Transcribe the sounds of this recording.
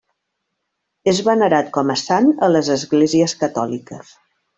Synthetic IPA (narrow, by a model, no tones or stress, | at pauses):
ezβənəɾat̪̚kɔməsanələzəzɣleziəskət̪ɔlikəs